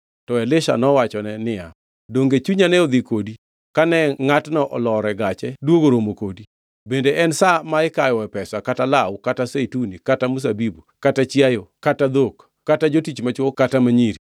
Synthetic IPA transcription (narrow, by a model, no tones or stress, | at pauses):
tɔɛlɪʃa̰nɔwat͡ʃɔnɛnɪja | doŋɡet͡ʃuɲanɛɔd̪ikodi | kanɛŋatnɔʔɔlɔɾɛɡat͡ʃɛdwoɡoɾomokodi | bendeʔɛnsamaɪkajɔɛpɛsakatalawkatasetunikatamus̬abibukatat͡ʃjajokatad̪okː | atad͡ʒotit͡ʃmat͡ʃwɔkatamaɲiɾi